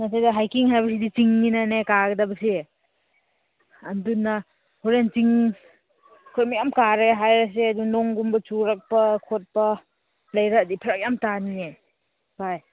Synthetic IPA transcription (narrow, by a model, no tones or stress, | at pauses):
nasʰajdɐɦajkiŋɦajbɐs̬idit͡ʃiŋninanekaɡɐdɐbɐse | ndunːa | huɾent͡ʃiŋ | kʰomijamkaɾeɦajɾɐs̬eɐdunɔŋɡumbɐt͡ʃuɾɐk̚pɐkʰot̚pɐ | lɐjɾadipʰiɾak̚jamtanie | paj